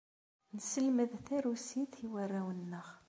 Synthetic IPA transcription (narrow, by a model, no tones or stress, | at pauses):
nsəlməðθæɾusiθiwərːæwənːəʁ